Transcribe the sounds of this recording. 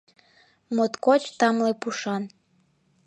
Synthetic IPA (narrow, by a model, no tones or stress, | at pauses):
mot̪kot͡ɕt̪ɑmlepuʃɑn